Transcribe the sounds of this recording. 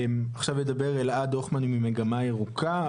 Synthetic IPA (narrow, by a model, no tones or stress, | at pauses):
maχʃavjed̪abe̞ʁelad̪oχmanimimeɡamaeʁukʰa